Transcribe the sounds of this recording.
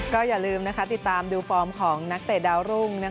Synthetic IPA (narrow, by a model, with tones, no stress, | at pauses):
kɔː˥˩jaː˨˩lɯː˧mna˦˥kʰa˦˥t̪i˨˩t̪ːaː˧mduː˧fɔː˧mkʰɔː˩˦ŋna˦˥k̚t̪e˨˩daː˧wɾu˥˩ŋna˦˥